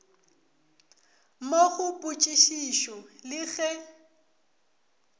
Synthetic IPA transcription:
moɣʊpʼut͡ʃʼiʃiʃɔlɪɣɛ

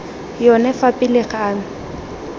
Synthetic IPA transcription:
jɔnɛfapʼɪlɪχaːm̩

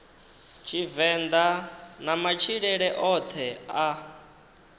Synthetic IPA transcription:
t͡ʃʰivɛnd̪anamat͡ʃʰiɺɛɺɛʔɔt̪ʰɛa

